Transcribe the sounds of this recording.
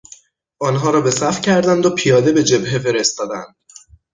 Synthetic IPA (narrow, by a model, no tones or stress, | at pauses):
ʔɒːnɦɒːɾɒːbe̞sæfcʰæɾd̪ænd̪opʰijɒːd̪e̞be̞d͡ʒe̞bɦe̞fe̞ɾest̪ɒːd̪æ̰nd̪̥